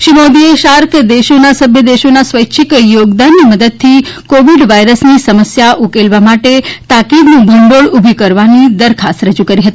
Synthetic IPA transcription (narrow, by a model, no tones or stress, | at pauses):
ʃimod̪ieʃaɾkʰd̪eʃonasəbʱjəd̪eʃonasʋəjʃʰikjoɡd̪anːiməd̪əd̪̚t̪ʰikoʋiɖʋajɾəsnisəməsjaʔukelʋamaʈet̪akid̪nũbəɳɖoɭubʱikəɾʋanid̪əɾkʰast̪ɾəd͡ʒukəɾiɦət̪i